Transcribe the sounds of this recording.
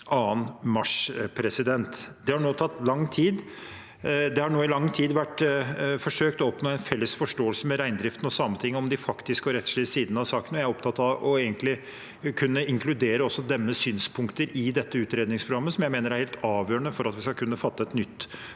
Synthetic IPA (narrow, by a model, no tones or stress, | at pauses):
ɑːənmɑʂpʰɾɛsɪd̪ɛnt̪d̪ɛhɑɳoːt̪ʰɑt̪ːlɑŋːt̪ʰiːd̪ | d̪ɛhɑɳoːɪlɑŋːt̪ʰiːd̪ʋæʈfɔʂøːkt̪ɔɔpnoːæɪnfɛlːəsfɔʂʈoːəlsəmɛɾæɪnd̪ɾɪft̪nɔsɑmːət̪ʰɪŋːɔmd̪ɪfɑkt̪ɪskɔɾɛt̪ːʂɭisiːd̪n̩ɑsɑːkənɔjæɾɔp̚t̪ʰɑt̪ːɑʋɔeːɡənt̪lɪ | kʰʉnːəɪŋkʰlʉd̪eːɾəɔsːɔd̪ɛmːəsyːnspʰʊŋkt̪əɾɪd̪ɛt̪ːəʉːt̪ɾeːd̪nɪŋspʰɾʊɡɑmːəsɔmjæɪmeːnəɾæɾheːlt̪ɑːʋjøːɾəɳəfɔɾɑt̪ʋɪskɑkʰʉnːəfɑt̪ːəɛt̪nʏt̪ː